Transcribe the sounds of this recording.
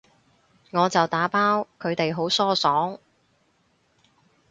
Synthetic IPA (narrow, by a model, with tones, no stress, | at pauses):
ŋɔː˨˧t͡sɐ˨wt̪aː˨˥paː˥wkʰɵ˨˧ɥt̪e˨jɦo˨˥wsɔː˥sɔː˨˥ŋ